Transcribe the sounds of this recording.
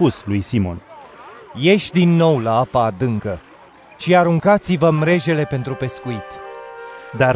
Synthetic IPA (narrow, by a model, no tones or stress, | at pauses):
puslujsimo̞̰n | je̞ʃʲd̪inːo̞wlaapaːd̪ɨŋkə | ʃiaɾuŋkat̪sivəmɾe̞ʒe̞le̞pe̞nt̪ɾupe̞skuit̪ | d̪a